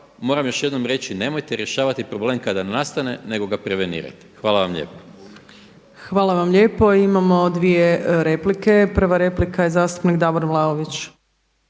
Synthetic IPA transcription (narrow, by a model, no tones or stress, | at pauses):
mo̞ɾamjo̞ʃje̞d̪no̞mɾe̞t͡ʃine̞mo̞jt̪eɾje̞ʃaːʋat̪ipɾobleːmkad̪anast̪ane̞ne̞ɡo̞ɡapɾe̞ʋenḭːɾa̰t̪i̥xʋaːlˠaʋamʎḛpo | xʋaːlˠaʋamʎe̞ːpo̞imamo̞d̪ʋije̞ɾe̞plike̞pr̩ʋaɾe̞plikaje̞zaːst̪u̥pnikd̪aboɾmlˠaoʋit͡ɕ